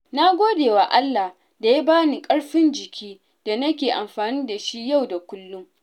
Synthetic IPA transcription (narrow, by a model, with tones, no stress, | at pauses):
na˦ɡʷoː˦deː˨waː˨ʔa˦lːa˨h | da˨ja˦baː˦niː˨kʼɐ˦ɽɸɪ˦nd͡ʒɪ˨kʲʰiː˦ | d̥a˨nɐ˦kʲeː˨ʔa˨mɸaː˨niː˦da˨ʃi˦ja˦˨wda˨kʷʊ˦lːʊ˦ŋ